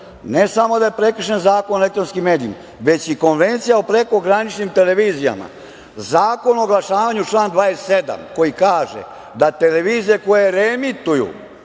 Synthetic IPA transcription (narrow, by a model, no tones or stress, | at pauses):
nesamo̞d̪ajepɾe̞kr̩ʃenzaːkonolekt̪ɾonskimːe̞ːd̪ijḭma | ʋe̞t͡ɕiko̞nʋe̞nt̪sijaopɾe̞ko̞ɡɾanit͡ʃnimt̪eleʋizija̰ma̰ | zaːko̞noːɡlˠaʃaːʋaɲut͡ʂlˠaːnd̪ʋaːest̪sed̪a̰mko̞jikaːʒḛ | d̪at̪e̞le̞ʋiːzijeko̞jeɾemit̪ujṵ